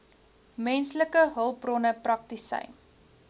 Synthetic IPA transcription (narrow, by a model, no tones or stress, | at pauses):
mɛnsləkəɦəlˠprɔnəprɐk̚tisə̰jn